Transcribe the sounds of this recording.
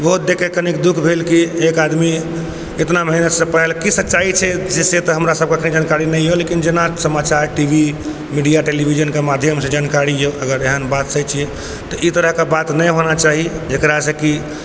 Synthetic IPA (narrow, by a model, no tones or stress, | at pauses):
bəɦut̪̚d̪ekekənikd̪ukʰbʱelkiekad̪mi | et̪naməɦinət̪sə̃pəɦelkisətːt͡ʃait͡ʃʰɛd͡ʒeset̪ɔɦəmɾasəb̚keəkʰnid͡ʒankaɾinɛjjolekind͡ʒenasəmat͡ʃaɾʈibʱi | miɖijaʈelibʱid͡ʒənkemad̪ʱjəmsẽd͡ʒankaɾijoʔəɡəɾeɦənbat̪səjt͡ʃʰi | t̪ɔʔit̪əɾəɦkebat̪nəjɦonat͡ʃaɦid͡ʒekɾasə̃ki